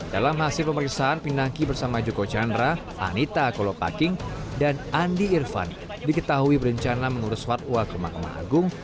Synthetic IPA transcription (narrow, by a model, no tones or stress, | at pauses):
dalamɦasɪlpəməɾiksaanpindaŋkibərsamad͡ʒokot͡ʃandɾa | ʔa̰nit̪akolopa̰kɪŋdanandiːrfa̰n | dikət̪aɦuibəɾəɲt͡ʃanaməŋuɾʊsfat̪̚uakəmakama̰a̰ɡʊŋ